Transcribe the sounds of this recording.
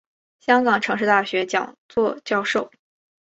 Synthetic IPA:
ɕjɑ˥ŋkɑ˨˩ŋʈ͡ʂʰɤ˧˥ŋʂɻ̩˥˧t̪a˥˩ɕɥɛ˧˥t͡ɕjɑ˨˩ŋt͡swɔ˥˧t͡ɕjɑ˥˧ʊʂo˥˩ʊ

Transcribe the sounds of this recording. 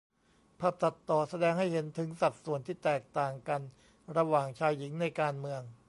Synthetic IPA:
pʰa˨˩p̚sa˨˩t̪ːɔː˨˩sa˧dɛː˧ŋha˥˩jhe˩˦nt̪ʰɯ˩˦ŋsa˨˩p̪̚su˨˩ənt̪ʰiː˥˩t̪ɛː˨˩k̚t̪aː˨˩ŋka˧n | ɾa˧waː˨˩ŋt͡ɕʰaː˧jːi˩˦ŋna˧jkaː˧nmɯ˧əŋ

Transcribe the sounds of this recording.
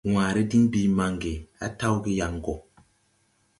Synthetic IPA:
wãː˨ɾi˦di˦ŋbi˨˦ma˨ŋɡe˨a̰˦ta˦wɡi˦ja˨ŋ˨ɡɔ˨

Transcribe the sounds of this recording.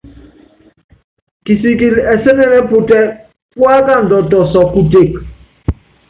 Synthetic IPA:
ki˨si˨ki˨ɾɛ˨se˦nɛ˦ɾɛ˦pʊ˨tɛ˦ | kwa˦ka˦˨n̩˨dɔ˨tɔ˨sɔ˨ku˨te˦˨k

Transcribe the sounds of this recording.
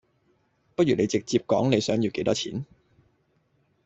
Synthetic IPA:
pɐ˥t̚jyː˨˩ne˨˧jt͡sɪ˨k̚t͡siː˧p̚kɔ̰ː˨˥ŋne˨˧jsœː˨˥ŋji˨˧wke˨˥jt̪ɔː˥t͡sʰḭː˨˥n

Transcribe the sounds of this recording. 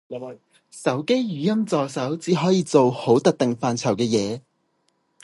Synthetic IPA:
sɐ˨˥wke˥jjyː˨˥jɐ˥mt͡sɔː˨sɐ˨˥wt͡siː˨˥ɦɔː˨˥jiː˨˧t͡so˨who˨˥wt̪ɐ˨k̚t̪ɪ˨ŋfaː˨nt͡sʰɐ˨˩wkɛː˧jɛː˨˧

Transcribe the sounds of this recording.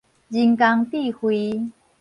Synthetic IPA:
d͡ʑi˧ŋka˧ŋt̪i˥˧˨hwi˧˦

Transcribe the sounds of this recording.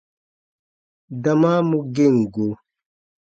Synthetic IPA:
da˨maː˦mu˦ɡe˦˨ŋ˨ɡo˨

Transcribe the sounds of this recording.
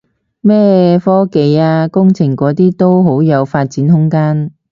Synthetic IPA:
mɛː˥˩fɔː˥ke˨˧jaː˧kʊ˥ŋt͡sʰɪ˨˩ŋkɔː˨˥t̪iː˥t̪o˥wɦo˨˥wjɐ˨˧wfaː˧t̚t͡siː˨˥nhʊ˥ŋkaː˥n

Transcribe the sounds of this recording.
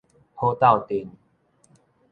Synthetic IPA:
ho˧˦t̪a˥˨wt̪i˨˦n

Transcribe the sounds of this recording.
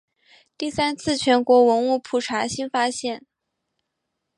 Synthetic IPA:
t̪i˥˩sa˥nt͡sʰɹ̩˥˩t͡ɕʰɥɛ˧˥nkwɔ˧˥wə˧˥nu˥˧pʰu˥˩ʈ͡ʂʰa˧˥ɕi˥nfa˥ɕjɛ˥˩n

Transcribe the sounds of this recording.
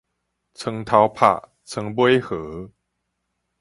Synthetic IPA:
t͡sʰə˧˦ŋt̪ʰa˨˧˦wpʰa̰˨˩ | t͡sʰə˧˦ŋbwe˦jhɤ˨˩˦

